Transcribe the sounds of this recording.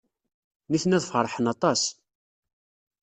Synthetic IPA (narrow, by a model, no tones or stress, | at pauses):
niθnæðfəɾˤħənɑt̪ˤɑs